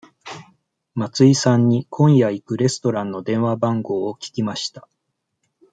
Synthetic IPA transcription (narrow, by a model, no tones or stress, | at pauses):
mat͡sɨisãɲ̟ːikʰõ̞ɰ̃jaikɯ̟ɾe̞sɨ̥t̪o̞ɾãnːo̞d̪ẽ̞ɰ̃βabãŋɡo̞ːokʲi̥kʲimaɕi̥t̪ḁ